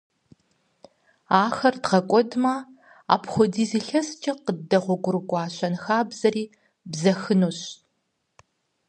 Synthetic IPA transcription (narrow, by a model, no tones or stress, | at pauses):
aːxɐrdʁɐkʷʼɔdmɐ | a̰ːpʰχʷɔdiːziːɬɐst͡ʃʼɐqədɐʁʷɔɡʷʊrɨɡʷʼɑːɕɐnxaːbz̥ɐriː | bzɐxɨnuːɕ